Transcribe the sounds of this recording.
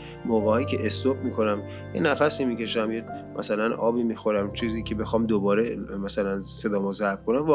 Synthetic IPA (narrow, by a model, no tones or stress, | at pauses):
moɣehɒːjicʰe̞ʔest̪ob̚miːkʰo̞næm | jḛnæfæsiːmiːcʰe̞ʃæmje | mʔæ̰sælænʔɒːbiːmixo̞ɾæmt͡ʃʰiːziːkʰe̞be̞xɒːmd̪obɒːɾemæsælænse̞d̪ɒːmɔzæɾb̥̚kʰo̞næmv